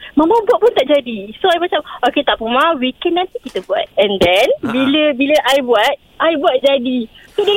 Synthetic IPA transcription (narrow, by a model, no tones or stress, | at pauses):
mə̃mãbuat̪̚pʊnt̪aʔd͡ʒadisoajbasapoket̪aʔpumãwikɛnːãnt̪ikit̪əbua̰t̪̚ɛndɛnbiləbiləʔajbuat̪̚ | ajbuat̪̚d͡ʒadisodə